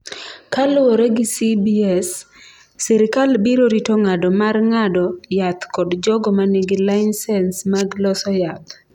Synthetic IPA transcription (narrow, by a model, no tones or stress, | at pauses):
kalwɔɾɛɡɪsibiɛsː | ɛɾɪkalbiɾoɾitoŋadɔmarŋadɔjat̪kɔdd͡ʒɔɡɔmanɪɡɪlaɪnsɛnsmaɡlɔsɔjat̪̚